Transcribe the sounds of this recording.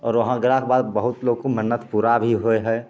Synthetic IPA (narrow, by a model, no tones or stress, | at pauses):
ɔːɾʋəɦãɡɾaːkbaːd̪bəɦʊt̪loːɡkomənːət̪puɾabʱiɦoeɦɛ